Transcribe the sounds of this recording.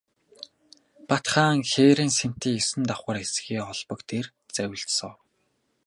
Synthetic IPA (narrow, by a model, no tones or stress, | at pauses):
pat̪χaːŋxeːɾeːnsem̥t̪iːesɘ̆nt̪aχʷə̆resɣiːɔɮpɞ̆kt̪ʰer | t͡sæwʲɘ̆ɬtsɞ̆w